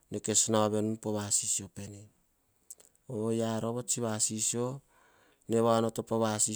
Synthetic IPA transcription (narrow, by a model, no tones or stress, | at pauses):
neke̞snaβe̞nunpoβasisiope̞ne | ojaɾoβot͡ʃiβasisio | ne̞βanotopoβasi